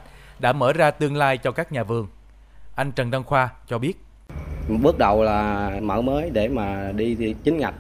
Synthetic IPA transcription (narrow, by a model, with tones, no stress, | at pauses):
ɗa̰ː˧˥mə̰ː˧˩zaː˧t̪ɨ˧əŋlaː˧jt͡ɕɔ˧kaː˦˥k̚ɲaː˨˩vɨ˨˩əŋ | ʔa˧jŋ̟t͡ɕə˨˩nza˧ŋxwaː˧t͡ɕɔ˧ɓi˦˥ət̚ | ɓɨ˦˥ək̚ɗə˨˩wlaː˨˩mə̰ː˧˩məː˨˦jɗe˧˩maː˨˩ɗi˧t͡ɕï˨˦ŋ̟ŋa˨˩k̚